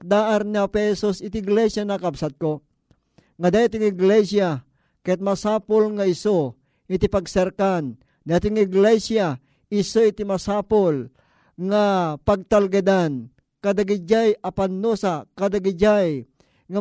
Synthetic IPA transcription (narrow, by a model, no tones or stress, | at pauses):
k̚d̪aːʔaɾniapɛhɛsusɪt̪ɪɪɡlɛsjanakabsat̪̚ko | ŋad̪ajat̪ɪŋɪɡlɛsja | kat̪̚masaːpolŋaɪso | ɪt̪ɪpaɡsɛɾkan | d̪at̪ɪŋɪɡlɛsja | ɪsoɪt̪ɪmasaːpol | ŋapaɡ̚t̪alɡad̪an | kad̪aɡɪd͡ʒajapanːusakad̪aɡɪd͡ʒaj | ŋa